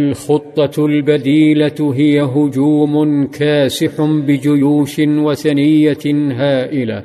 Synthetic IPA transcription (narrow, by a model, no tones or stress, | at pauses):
ʔalxʊt̪ˤːɑlbad̪iːlaɦɪjaɦʊd͡ʒuːmʊnkaːsɪħbɪd͡ʒʊjuːʃɪwaθanɪjːaɦaːʔɪla